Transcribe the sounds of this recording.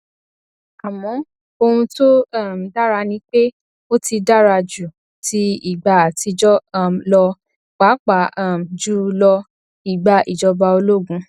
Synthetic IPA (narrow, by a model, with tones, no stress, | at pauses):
a˨mɔ̃˨˦ | o˧hũ˧to˦a˦˨m˨da˦ɾa˧nĩ˧k͡pe˦ | o˦ti˧da˦ɾa˧d͡ʒu˨ | tʰi˧i˨ɡ͡ba˧a˨ti˧d͡ʒɔ˦˨lɔ˧ | k͡pa˨˦k͡pa˨˦a˦˨m̩˨d͡ʒu˦lɔ˧ | i˨ɡ͡ba˧ʔi˨d͡ʒɔ˧ba˧o˧lo˦˨ɡũ˨˧